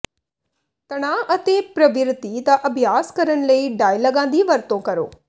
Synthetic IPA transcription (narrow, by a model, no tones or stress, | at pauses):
t̪ɐɽ̃aːʔɐt̪epɾɐʋɪɾt̪it̪aʔɐbʱjaːskɐɾəɳ̃ləiɖaːilɐɡãːnd̪iʋɐɾt̪õkɐɾo̰ː